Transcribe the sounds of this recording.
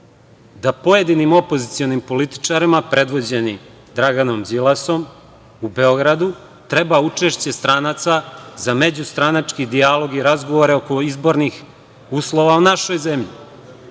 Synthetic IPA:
d̪apo̞jed̪inimo̞po̞zit̪sio̞nimpo̞lit̪i̥t͡ʂaɾimapɾe̞d̪ʋo̞d͡ʑe̞ni | d̪ɾaɡano̞mzilˠaso̞m | ube̞o̞ɡɾad̪u | t̪ɾe̞baut͡ʂe̞ʃt͡ɕe̞st̪ɾanat̪sazame̞d͡ʑust̪ɾanat͡ʂkid̪ialˠo̞ɡiɾazɡo̞ʋoɾeoko̞izbo̞ɾnix | uːslˠo̞ʋaunaʃo̞jze̞mʎi

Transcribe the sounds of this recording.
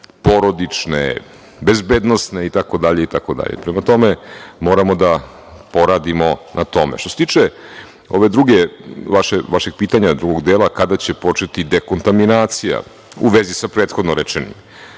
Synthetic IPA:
po̞ɾo̞d̪it͡ʂnḛ | bezbeːd̪no̞sne̞it̪ako̞d̪aʎe̞it̪ako̞d̪a̰ʎḛpɾemat̪o̞memo̞ːɾamo̞d̪a | po̞ɾad̪imo̞nʔat̪o̞mḛʃt̪oset̪iːt͡ʃt͡ʂe | o̞ʋe̞d̪ɾuɡeʋaʃeʋaʃe̞ɡ̚piːt̪aɲad̪ɾuɡo̞ɡd̪eːlˠakad̪at͡ɕepo̞t͡ʂet̪id̪ekont̪aminaːt̪sija̰ | ṵʋezisapɾeːt̪xod̪noɾet͡ʃenḭm

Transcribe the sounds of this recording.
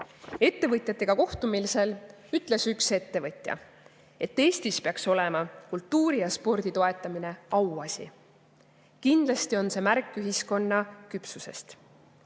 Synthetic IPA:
e̞t̪ːe̞vɤt̪ʲˑjɑt̪ːˑe̞ɡ̥ɑko̞ht̪umilise̞lyt̪ːˑle̞sykse̞t̪ːe̞vɤt̪ʲˑjɑ̰ | e̞t̪ːe̞ːsʲt̪ispeɑkso̞le̞mɑkult̪ːuːɾijɑspo̞rd̪̥it̪o̞e̞t̪ːˑɑmine̞ɑwɑsʲḭ | kind̪lɑst̪io̞nse̞mærkːˑyɦisko̞nːɑkypsuse̞̰st̪

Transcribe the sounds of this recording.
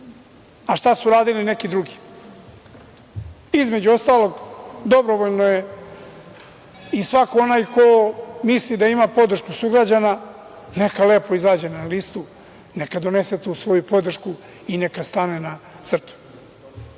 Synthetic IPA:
aʃt̪asuɾaːd̪iline̞kid̪ɾuɡi | izme̞d͡ʑuo̞st̪aːlo̞ɡd̪o̞bɾoʋoʎnoje̞ | isʋakoo̞najkomislid̪aimapo̞d̪ɾr̩ʃkusuɡɾad͡ʑana | ne̞kale̞ːpo̞izaːd͡ʑe̞nalist̪u | ne̞kad̪o̞ne̞set̪usʋo̞jupo̞d̪r̩ʃku | ine̞kast̪anena | t̪sr̩t̪u̥

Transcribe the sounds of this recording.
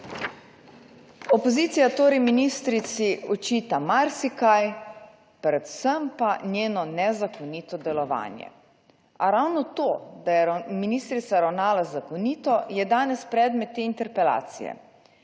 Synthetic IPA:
ɔpɔziːt̪sijat̪oːɾɛjminiːst̪ɾit̪siɔt͡ʃiːt̪amaɾsikaj | pɾɛt̪səmpanjeːnɔnɛzakɔnit̪ɔd̪ɛlɔʋa̰ːnjɛ̰ | aɾawnɔt̪oːd̪ajɛminiːst̪ɾit̪saɾawnaːlazakɔniːt̪ɔjɛd̪aːnɛspɾɛd̪mɛt̪ːeːint̪ɛɾpɛla̰ːt̪sḭjɛ̰

